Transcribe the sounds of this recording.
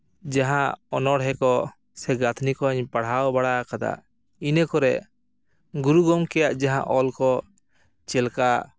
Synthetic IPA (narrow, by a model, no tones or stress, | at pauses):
d͡ʒaɦãɔnɔɽɦɛkɔ | sɛɡat̪ʰnikɔɲpaɽ̤awbaɽakad̪a̰ | inəkɔɾɛʔ | ɡuɾuɡɔmkɛjaʔd͡ʒaɦã̰ʔɔlkɔ | t͡ʃɛlka